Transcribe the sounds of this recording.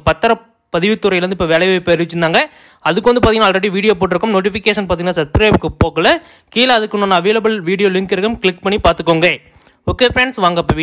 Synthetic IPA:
pɐt̪ːɐɾɐ | pɐðɪʋɪt̪ːɯɾɐjlɐɾɯnd̪ɯɪpːɐːʋɛlɐɪʋɐpːɐɾʋɪt͡ʃːɯnd̪aːŋɡɐ | ɐðɯkːɯʋɐnd̪ɯpaːt̪ɪŋɡnaːlɾɐɽiʋiːɽɪjoːp̬oːʈ̬ːɪɾɯkːɯmnoːʈ̬ɪfɪkeːʂɐnpaːt̪iŋɡnaːsɐbskɾɐɪpkːɯpoːkɐlɐ | kiːlɐɐðɯkːɯnɐːnːɐːʋeːlɐbɐlʋiːɽɪjoːlɪŋkɪɾɣɯmklɪkpɐɳːipaːɾt̪ɯkːoːŋɡe | okːeːfɾɛɳɖsʋaːŋɡɐpːoʋ

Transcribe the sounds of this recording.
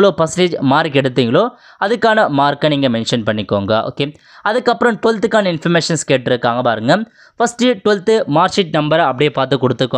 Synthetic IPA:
ɐɭoːpɐsneːd͡ʒmaːɾikɛɽɯt̪ːiːŋɡɐɭoː | ɐðɯkːaːnɐmaːɾkɐniːŋɡɐmɛnʂɐnpɐɳːɪkːoːŋɡɐʔo̰ːkeː | ɐðɯkːɐpːɯɾɐ̃mʈʊlt̪ːɯkːaːnɐɪnfɐɾmeːʂɐnskeːʈːɪɾɯkːaːŋɡɐpaːɾɯŋɡɐ | fɐsʈɯʈʊlt̪ːɯmaːɾsɪʈ̚nɐmbɐɾɐpːɐɽɪjepaːɾt̪ɯkːɔɽɯt̪ːɯkːʊ̃

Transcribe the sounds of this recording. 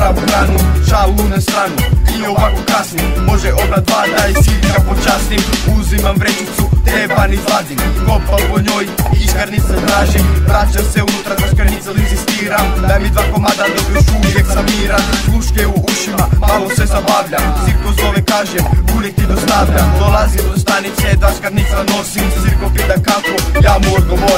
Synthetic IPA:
auɡ̪ɾaːnut͡ʃalunast̪ɾanuioʋakokasnimo̞ʒɛʔobd̪ad̪ʋaːd̪ajsiɡ̪apot͡ʃasnimuzimamvɾenit̪sut̪ɾebanizlˠad̪imkopalpoɲojiːskaɾniset̪ɾaːʒimpɾat͡ʃamseunut̪ɾaziskaɾnisalinzist̪iːɾamdd̪amid̪vakomad̪anid̪uʃuieɡzamiːɾaluʃkeokuʃimamalosɛzabavʎat̪siɾkozoʋɛkaːʒɛmbulɛt̪id̪ost̪avʎad̪olazid̪ost̪anit̪sɛd̪aʃkaɾnit̪sanosimt̪siɾkopid̪akakojamoɾd̪omo

